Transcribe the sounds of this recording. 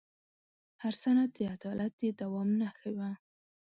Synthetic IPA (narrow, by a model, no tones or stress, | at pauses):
haɾsanat̪̚d̪əad̪ɑlat̪̚d̪ed̪awɑmnaxawa